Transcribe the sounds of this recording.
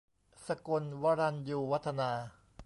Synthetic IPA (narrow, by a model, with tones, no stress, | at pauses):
sa˧ko˧nwa˧ɾa˧njuː˧wa˦˥t̪ʰːa˧naː˧